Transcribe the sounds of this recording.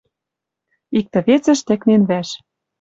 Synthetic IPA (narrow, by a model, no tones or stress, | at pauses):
ik̚t̪ɘ̆βet͡sɘ̆ʃt̪ɘ̆knenβæʃ